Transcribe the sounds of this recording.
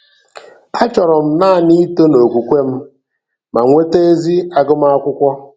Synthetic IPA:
a˦t͡ʃɔ˨ɾɔ˨m̩˦naː˦˨ni˦to˦no˨ɡʷu˨kʷe˦m̩˦ | ma˨ŋʷe˦te˦e˦zi˦a˦ɡʊ˦m˦a˦kʷʊ˦kʷɔ˦

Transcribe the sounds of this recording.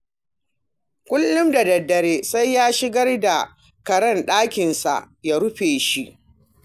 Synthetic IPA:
kʷʊ˦lːʊ˦mda˨dɐ˨dːɐ˨ɾeː˦sa˦jːaː˦ʃɪ˦ɡɐ˦rda˨ | kɐ˨ɽɐ˦˨nɗaː˦kʲɪ˨nsa̰˨ʔ | jaː˦ɾʊ˦ɸeː˨ʃi˦ʔ

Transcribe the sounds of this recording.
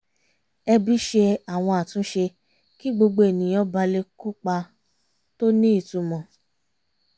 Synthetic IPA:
ɛ˧bi˦ʃe˧a˨w̃ɔ̃˧a˨tũ˨˦ʃe˧ | ki˦ɡ͡bo˧ɡ͡bo˧˦e˨nĩ˨j̃ɔ̃˦ba˧le˧ku˦k͡pa˧ | to˦nĩ˦i˦˨tu˨˧mɔ̃˧˨

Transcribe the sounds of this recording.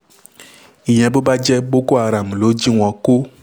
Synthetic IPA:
i˨ɲɛ̃˨bo˦ba˦d͡ʒɛ˦bo˦ko˦a˨ɾa˨m˨lo˨˦d͡ʒi˦ŋ̃˨ɔ̃˨ko˦

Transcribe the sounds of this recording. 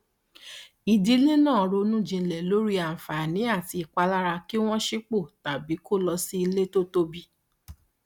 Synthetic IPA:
i˨di˦lĩ˦nãː˦˨ɔ˨ɾo˧nũ˦˨d͡ʒĩ˧˨lɛ˨lo˨˦ɾi˦a˨fa˨nĩ˨˦a˦˨ti˧i˨k͡pa˧la˦ɾa˧ki˦w̃ɔ̃˦ʃi˦k͡po˦˨ta˨bi˨˦ko˦˨lɔ˧si˦i˧le˦to˦to˦bi˧

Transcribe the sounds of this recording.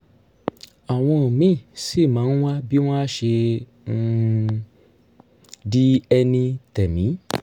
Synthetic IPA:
a˨w̃ɔ̃˧˨mĩ˦˨si˦˨mã˨˦wa˦bi˦w̃ɔ̃˦a˦ʃẽ˧ | di˦ɛ˧nĩ˧tɛ˨mĩ˨˦

